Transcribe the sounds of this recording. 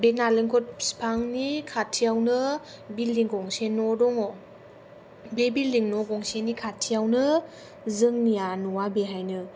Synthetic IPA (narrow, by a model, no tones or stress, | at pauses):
benaleŋkʰɔt̚spʰaŋnikʰatʰːijawnɯ | bilːiŋɡɔŋsenɔdɔŋɔ | bebilːiŋnɔɡɔŋsenikʰatʰːijawnɯ | zɯŋnijanuwabeɦajnɯ